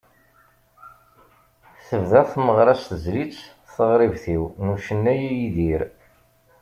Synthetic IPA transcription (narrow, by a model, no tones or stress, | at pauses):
θəvðæθməʁɾˤɑst̪əzlit͡sː | θəʁɾivθiwnuʃənːæjæjiðiɾ